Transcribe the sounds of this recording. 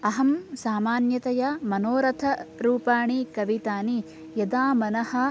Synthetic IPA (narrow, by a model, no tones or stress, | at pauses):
ɐɦɐmsaːmaːnjɐt̪ɐjɐmɐnoːɾɐt̪ʰɐɾuːpaːɳikɐʋit̪aːni | jɐd̪aːmɐnɐhɐ̆